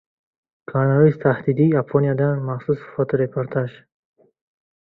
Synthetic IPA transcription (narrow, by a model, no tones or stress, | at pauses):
kʰaɾnaɔist̪ʰahd̪id̪iːapʰɔnijad̪anmaχsusfɔt̪ʰɔɾepʰoɾt̪ʰaʒ